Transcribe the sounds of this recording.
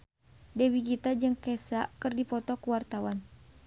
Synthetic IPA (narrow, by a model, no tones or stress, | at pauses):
dɛwiɡit̪ad͡ʒɨŋkɛsakɨrdipɔt̪ɔkuwart̪awan